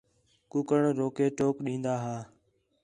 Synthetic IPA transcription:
kʊkəɳɾoːkeːʈoːkɗĩːnd̪aːɦaː

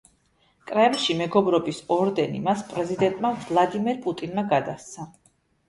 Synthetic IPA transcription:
kʼɾɛmlʃimɛɡɔbɾɔbisɔɾd̪ɛnḭmaspʼɾɛzid̪ɛnt̪ʼmat̪ʰvlˠad̪imɛɾpʼut̪ʼinmaɡad̪ast̪sʰa

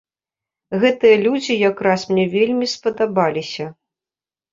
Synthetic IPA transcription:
ɣɛt̪ɨjɐlʲud͡zʲijakɾasmnʲɛvʲelʲmʲispɐd̪abalʲisʲɐ

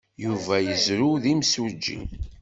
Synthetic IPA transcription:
juvæjəzɾʊðimsʊd͡ʒːḭ

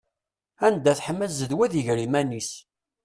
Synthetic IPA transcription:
ænd̪æθħəmːəzəðwæðiʝɾimænis

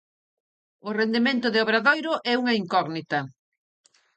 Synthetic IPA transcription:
ʊrend̪emẽnt̪ʊðeoβɾaðojɾʊʔɛuŋɐiŋkɔɣnit̪ɐ

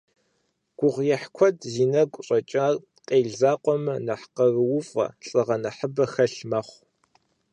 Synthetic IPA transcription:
ɡ̥ʷʊʁjɛħkʷʰɔdziːnɐkʷʼɕʼɐt͡ʃʼɐr | qʼeːɮzaːqʷɔmɨnɐħqɐrɨwʊfʼɐ̰ɬʼɨʁɐnɐħəbɐxɐɬmɐχʷ

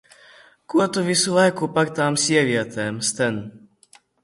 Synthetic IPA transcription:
kuat̪uvisulajkupakt̪amsjɛvjɛt̪ɛmst̪ɛn

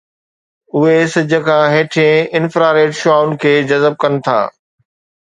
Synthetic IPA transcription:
ʊɦesɐd͡ʑʱə̆kʰãɦeːʈʰẽɪnfɾaːɾeːʈʃʊaːʊnɪ̆kʰeːd͡ʑɐzəb̚kɐnɪ̆t̪ʰa̰ː

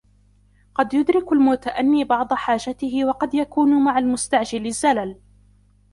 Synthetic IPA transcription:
qɑd̪jʊd̪ɾɪkalmʊt̪aʔanːiːbɑʕd̪ˤɑħaːʒat̪ɪɦɪwɑqɑd̪jakuːnʊmaʕalmʊst̪aʕd͡ʒɪlɪzːalal

